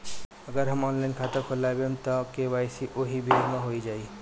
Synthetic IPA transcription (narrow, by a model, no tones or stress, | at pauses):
ɐɡəɾɦɐmɔːnlaɪnkʰaːt̪əkʰolaːebemt̪ɔkeʋaːjsiʔoɦibʱiɾmãɦoːid͡ʒaːi